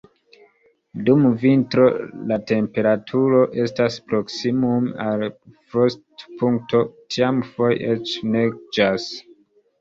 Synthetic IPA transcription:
dumvintɾo̞late̞mpe̞ɾatʰuɾo̞ʔe̞staspɾo̞ksimumalpɾostpuŋk̚to̞tiamfojet͡ʃneɡ̚d͡ʒas

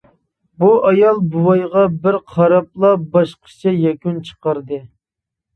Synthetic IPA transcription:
buʔɑjɑlˠbuwɑjʁɑbɪɾqʰɑɾɑp̚lˠɑbɑʃqʰə̥t͡ʃʰɛjɛkʲynt͡ʃʰə̥qəɾd̪ɨ

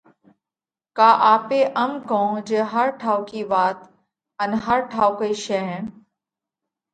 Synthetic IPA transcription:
kaːʔaːpeːʔɐmkõd͡ʒeɦɐɾʈʰaːwkiːʋaːt̪ | ɐnɦɐɾʈʰaːwkəiʃɛɦ

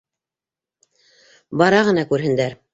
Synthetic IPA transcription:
bɑɾɑʁɤ̆nɑkʉɾɦɘ̆nd̪æɾ

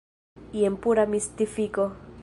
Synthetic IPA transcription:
iempuɾamist̪ifiko

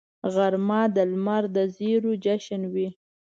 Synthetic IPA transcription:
ɣaɾmɑd̪əlmaɾd̪əziɾud͡ʒaʃənwi

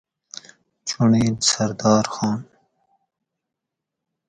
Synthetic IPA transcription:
t͡ʃuɳeːnsɐɾd̪ɑːɾxɑːn

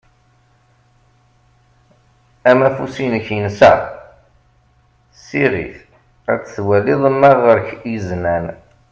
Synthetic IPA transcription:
æmæfusinəçjənsæ̰ | siʁḭθ | æt͡sːθwæliðˤəmːæʁəɾçjəznæn

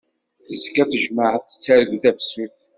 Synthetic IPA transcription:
θəzkæθəʒməʕəθə̥t͡sːæɾəɡuθævsuθ

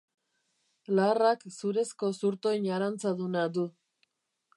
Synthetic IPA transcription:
laːraksuɾe̞sko̞suɾt̪o̞jɲaɾant͡saðunad̪u

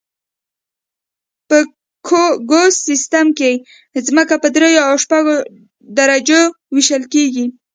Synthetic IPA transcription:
pə | kʰɡossist̪amke | zməkapəd̪ɾejoawʃpaɡo | d̪aɾad͡ʒo | wiʃəlkeɡi

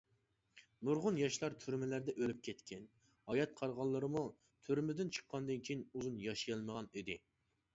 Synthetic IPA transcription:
muɾʁʊnjɑʃlˠɑɾt̪ʰyɾmɪlæɾd̪ɛʔølyp̚kʲʰɛt̪kʲʰɛn | hɑjɑt̪̚qʰɑɾʁɑlˠːɨɾɨmu | t̪ʰyɾmɪd̪ɪnt͡ʃʰə̥χqːɑnd̪ɨnkʲʰijinuzunjɑʃijɑlˠməʁɑnid̪ɪ

